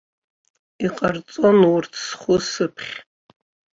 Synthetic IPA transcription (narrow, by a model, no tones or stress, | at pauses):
iqʼart͡sʼo̞nwʊrtʰsχʷʊsɨpʰχʲ